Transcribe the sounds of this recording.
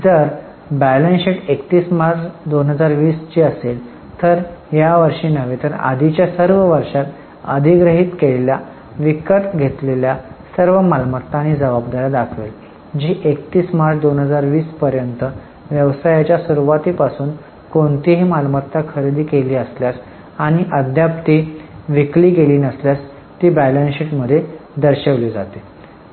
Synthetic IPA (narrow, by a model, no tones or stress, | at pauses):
d͡zəɾ | bælẽnseʈekt̪iːsmaɾt͡sd̪onɦəd͡zaɾʋiːst͡ɕiːəsel | t̪əɾɦjaʋəɾʂiːnəʋet̪əɾa̰d̪ʱit͡ɕjasəɾʋəʋəɾʂat̪ | ə̰d̪ʱiɡɾəɦiːt̪keɭelja | ʋikəʈ̪ɡʱet̪leljasəɾʋəmalmət̪ːañid͡zəbabd̪aɾjad̪akʰʋel | d͡ʑiːʔekt̪iːsmaɾt͡sʰd̪onɦəd͡zaɾʋiːspəɾjənt̪ə | ʋjəʋsajat͡ɕjasuɾuʋat̪iːpasuːn | koɳt̪iɦiːmalmət̪ːakʰəɾid̪iːkeliːəsljas | aɽ̃iʔəd̪ʱjapt̪iʋikliːkeliːnəsljas | t̪iːbælənsiʈməd̪ʱːjed̪əɾɕeʋliːd͡zat̪e